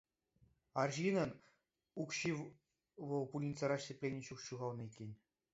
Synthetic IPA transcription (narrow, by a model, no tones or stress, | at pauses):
ɑrʑinɤ̆n | ukɕi | ʋɤ̆lˠpulʲinʲt͡sʲɤ̆ɾɑʂʲepʲlʲenʲeɕukɕuɣɑlˠnɤekʲːenʲ